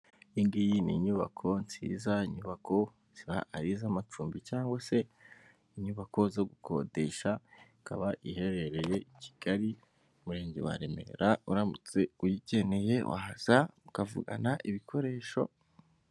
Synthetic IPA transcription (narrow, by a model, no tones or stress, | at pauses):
iŋɡijinḭɲuβa̰kʰo̞nt͡sḭːzaiɲuβakʰo̞ | z̥iβa̰aɾizamat͡ʃuːmbit͡ʃaːŋɡwase̞ | iɲuβako̞zo̞ɡukʰo̞̰de̞ʃa | kʰa̰βaʔihe̞ɾe̞ɾe̞je̞icʰi̥ɡ̥aɾi | umuɾe̞ːɲɟḛwa̰ɾe̞me̞̰ɾauɾamut͡se̞ujiɟe̞ne̞je̞wʔa̰haz̥aukavṵɡa̰naʔiβikʰo̞ɾe̞ːʃo̞̰